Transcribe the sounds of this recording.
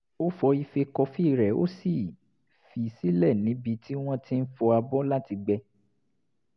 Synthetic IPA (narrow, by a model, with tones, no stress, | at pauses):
o˦fɔ˧i˧fe˧kɔ˧fi˦˨ɾɛ˨o̰˦si˦˨ | fi˧si˦lɛ˦˨nĩ˨˦bi˧ti˦w̃ɔ̃˦ti˦n̩˦fɔ˧a˧bɔ˦la˦ti˧ɡ͡bɛ˧